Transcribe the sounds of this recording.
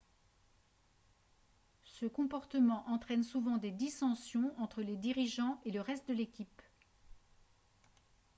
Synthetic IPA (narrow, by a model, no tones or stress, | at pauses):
səkɔ̃pɔʁt̪əmɑ̃ʔɑ̃t̪χɛnsuvɑ̃d̪ed̪isɑ̃sjɔ̃ɑ̃t̪χəled̪iʁiʒɑ̃eləʁɛst̪̚d̪əlekʲip